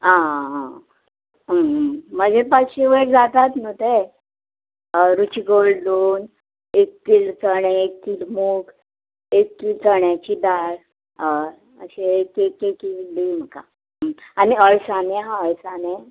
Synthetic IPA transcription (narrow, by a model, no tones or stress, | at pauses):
ã | əm̤əd͡ʑepəɕiʋeɾd͡zat̪at̪not̪e | ɾut͡ɕiɡold̪on | ek̚t̪iːlt͡səɳeek̚t̪ilmuk | ekːit͡səɳjat͡ɕid̪aɾ | ə̰ɕeekekekibiːm̤əka̰ | aniəɭsamẽɦãəɭsane